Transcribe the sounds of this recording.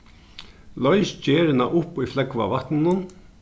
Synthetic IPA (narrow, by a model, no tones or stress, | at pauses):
lœʏst͡ɕeːɾɪnaʔʊpiːflɛkʋa̰ʋɑt̪n̩ʊn